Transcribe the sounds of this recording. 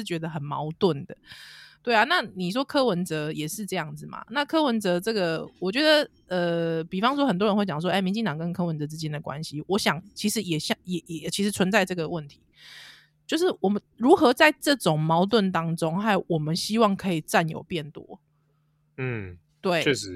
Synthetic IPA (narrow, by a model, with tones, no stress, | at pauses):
ɻ̩˥˩t͡ɕɥɛ˧˥d̪ə˧xə˨˩nmɑ̰˧˥ʊt̪wə˥˩nd̪ə˩t̪we˥ɪa˩na˥˩ni˨˩ʂ̬wɔ˦˥kʰɤ˥wə˧˦nt͡sɤ˧˦jɛ˨˩ʂɻ̩˥˧ʈ͡ʂɤ˥˧jɑ˥˩ŋd͡z̩˨˩ma̰˩na˥˧˨kʰɤ˥wə˧˦˥nt͡sɤ˧˥ʈ͡ʂɤ˥˩ɡə˩wɔ˨˩t͡ɕɥɛ˧˦˥d̪ə˨ | ə˧pi˨˩fɑ˥ŋʂ̬wɔ˥xə˨nt̪̬wɻə˧nxwe˥˩ɪt͡ɕɑ˨˩ŋʂ̬wɔ˥ʔe˥˩mi˧nt͡ɕi˥˩ŋt̪ɑ˨ŋkə˦nkʰɤ˥wə˧˦nt͡sɤ˧˦t͡sɻ̩˥t͡ɕjɛ˥nd̪ə˨˩kwa̰˦nɕi˧˦wɔ˧˦ɕjɑ˨˩˦ŋt͡ɕʰi˧˥ʂɻ̩˧˥jɛ˨˩ɕɑ˥˩jɛ˨˩jɛ˨˩t͡ɕʰi˧˥ʂɻ̩˧˥t͡sʰwə˧˦nt͡sa˥˧ɪʈ͡ʂɤ˥˩ɡə˩wə˥˩nt̪ʰi̥˨˦ | t͡ɕjo˥˧ʊʂɻ̩˥˩wɔ˨˩mə˦nɻu˧˦˥xɤ˧˥t͡sa˥˧ɪʈ͡ʂɤ˥˩ʈ͡ʂo˨˩ŋmɑ˧˥ʊt̪̬wə˥˩nt̪ɑ˥ŋʈ͡ʂo˥ŋha˥˩ɪwɔ˨˩mə˦nɕi˥wɑ˥˩ŋkʰɤ˧˥i˨˩ʈ͡ʂa˥˩njo̰˨˩ʊpjɛ˥˩nt̪wɔ̰˥˩ | t̪we˥˩ɪ˥˧˦